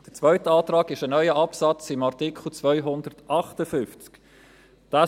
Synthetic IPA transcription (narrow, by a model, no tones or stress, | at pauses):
d̥ət͡svœʏtəɑːtrɑːɡɪʃənœʏəʔɑpsɑt͡sɪmaʁtɪkχl̩t͡svœʏɦʊndəɾtɑχtəfʏnft͡sk | d̥aː